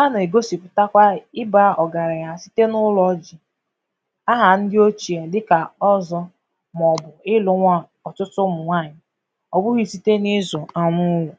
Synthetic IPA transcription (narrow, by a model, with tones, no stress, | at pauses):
a˦na˨e˨ɡo˦si˨pʊ˨ta˦kʷa˦ɪ˦ba˦ɔ˨ɡa˨ɾa˨ja˨si̥˦te˦nʊ˦lɔ˦d͡ʒi˨ | a˦ɦa˨n̩˦dɪ˦o˦t͡ʃi˨a˨dɪ˦ka˨ɔ˦zɔ˦ | m˨ɔ˨bʊ˨ɪ˦lʊ˦ŋʷa˦ | ɔ˨t͡ʃʊ˦tʊ˦mʊ˨ŋʷa˦˨ɲɪ˨ | ɔ˨bʊ˦ɣi˦si˦te˦ni˦zʊ˨a˨nʊ˦wʊ˨